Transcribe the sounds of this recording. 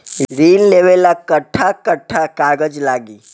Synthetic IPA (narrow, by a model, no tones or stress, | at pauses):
ɾiːnleʋelakəʈʰːakəʈʰːakaɡəd͡ʒlaɡiː